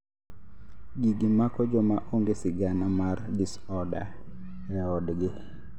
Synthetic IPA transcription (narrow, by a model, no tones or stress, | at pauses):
ɡiɡimakɔd͡ʒɔmaʔoŋɡesiɡanamardisɔda̰ɛɔdɡɪ